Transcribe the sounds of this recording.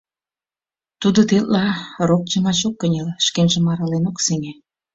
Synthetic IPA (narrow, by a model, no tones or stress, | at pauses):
t̪ud̪ot̪ellɑrok̚t͡ɕəmɑt͡ɕokːənʲelʃkemʲʒə̆mɑɾɑlenokseŋe